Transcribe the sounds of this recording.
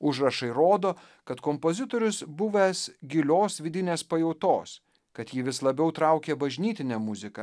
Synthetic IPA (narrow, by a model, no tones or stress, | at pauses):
ʊʒɾɐʃɐɪɾoːd̪oː | kɐt̪kɔmpoːzʲɪt̪oːɾʲʊsbʊʋʲesɡʲɪlʲoːsʋʲɪd̪ʲɪnʲeːspɐjɛʊt̪oːs | kɐt̪jɪʋʲɪslˠɐbʲɛʊt̪ɾɑʊkʲeːbɐʒʲnʲiːt̪ʲɪnʲɛmʊzʲɪkɐ